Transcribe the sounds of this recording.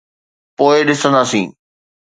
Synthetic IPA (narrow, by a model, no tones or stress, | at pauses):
poːɪɗɪsə̃nd̪aːsĩː